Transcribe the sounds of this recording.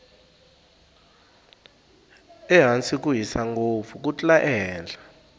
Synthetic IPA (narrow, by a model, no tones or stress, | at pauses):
ɛɦant͡sʼik̬ʼuɦisaŋɡofuk̬ʼut͡ɬʼlaʔɛɦɛːnd͡ɮʱa